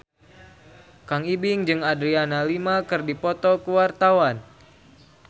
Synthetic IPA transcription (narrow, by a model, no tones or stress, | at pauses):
kaŋibiŋd͡ʒɨŋadɾianalimakɨrdipɔt̪ɔkuwart̪awan